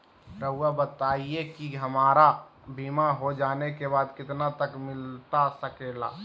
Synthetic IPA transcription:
ɾəuwabət̪aːiekiɦəmaːɾa | bʱiːmaɦod͡ʒaːnekebaːd̪kɪt̪nat̪əkmɪlt̪asəkela̰ː

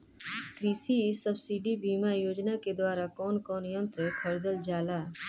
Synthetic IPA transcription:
kɾiːsiɪsːəbsiːɖibiːmajoːd͡ʒnaked̪waːɾakɔːnkɔːnjə̃nt̪ɾekʰəɾd̪əld͡ʒaːlaː

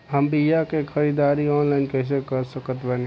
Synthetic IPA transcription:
ɦəmbijakekʰəɾid̪aːɾiɔːnlaːɪnkɛɪs̬ekəɾsəkət̪bɛn

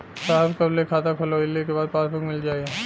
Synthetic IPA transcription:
saːɦbkɐblekʰaːt̪akʰoloɪlːikebaːd̪̚pãːsbokmɪld͡ʒaːie

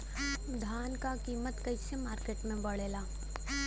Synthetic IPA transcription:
d̪ʱaːnkakiːmət̪kəisemaːɾkeːʈmẽbɐɽeːlaː

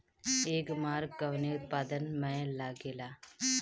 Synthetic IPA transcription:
eːkmaːɾɡːɐʋneʊt̪̚paːd̪ənmɛ̃laːɡeːlaː

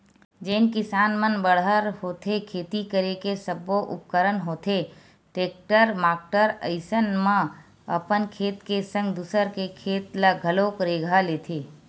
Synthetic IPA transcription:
d͡ʒeːnkɪsaːnmənbəɽ̤ɦəɾɦoːt̪ʰekʰeːt̪ikəɾekesəboʔʊ̰p̚kəɾənɦoːt̪ʰe | ʈeːk̚ʈəɾmaːk̚ʈəɾə̰ɪsənmã | ə̰pənkʰeːt̪kesə̃ŋɡd̪usəɾkekʰeːt̪laɡʱəloːkɾeːɡʱaleːt̪ʰeː

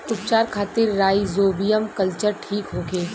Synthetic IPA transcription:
ʊp̚t͡ʃaːɾkʰaːt̪ɪɾːaːizoːbijəmkɐlt͡ʃəɾʈʰiːkɦõːɡeː

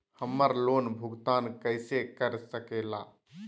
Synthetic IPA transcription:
həmːəɾlonbʱuɡt̪aːnkəɪsekəɾsəkela

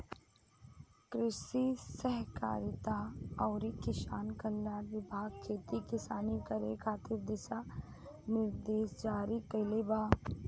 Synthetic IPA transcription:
kɾɪʃisəɦka̰ːɾɪt̪aɔːɾikɪʃaːnkəlːaːɾʋɪbʱaːɡ̚kʰeːt̪ikɪsaːnikəɾḛkʰaːt̪ɪɾd̪ɪsa | nɪɾd̪eːsd͡ʒaːɾikɐlebaː

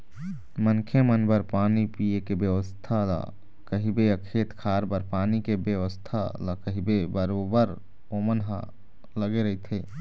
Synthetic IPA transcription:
mənkʰemənbəɾpaːnipijekebjəwəst̪ʰala̰ | kəɦibeəkʰeːt̪kʰaɾbəɾpaːnikebjəʋəst̪ʰaləkəɦibebəɾobəɾ | omənɦə̰ | ləɡeɾəit̪ʰe

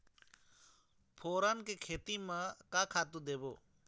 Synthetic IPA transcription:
pʰoːɾaːnkeːkʰeːt̪iːmãkaːkʰaːt̪ũːd̪eːbo̰ː

